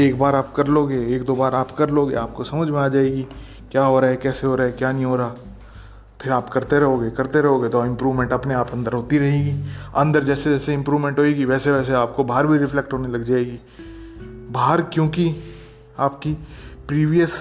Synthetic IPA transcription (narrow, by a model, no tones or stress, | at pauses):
eːkbaːɾaːp̚kɐɾloːɡeːeːk̚d̪oːbaːɾaːpkɐɾloːɡḛaːp̚kosɐməd͡ʒʱmẽaːd͡ʒaːeːɡi | kjaːɦoːɾaːɦɛkɛːseɦoːɾaɦɛkjaːnɦĩɦoːɾaaː | pʰɪɾaːpkɐɾt̪eɾɐɦoːɡekɐɾt̪eɾɐɦoːɡet̪oɪ̃mpɾuːʋmɛ̃ɳʈɐpneaːpɐ̃nd̪əɾɦoːt̪iɾɐɦeːɡiːɐ̃nd̪əɾd͡ʒɛːsed͡ʒɛːseɪ̃mpɾuːʋmɛ̃ɳʈɦoːeɡiʋɛːseʋɛːs̬eaːp̚kobaːɦəɾbʱiɾɪfʰlɛk̚ʈɦoːnelɐɡd͡ʒaːeɡiː | baːɦəɾkjõːki | aːpkipɾiːʋijəs